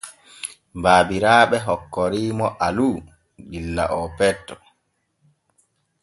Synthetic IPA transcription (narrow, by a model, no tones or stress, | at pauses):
mbaːbiɾaːɓɛɦɔkːɔɾiːmɔʔaluː | ɗilːa̰ʔɔpɛtːɔ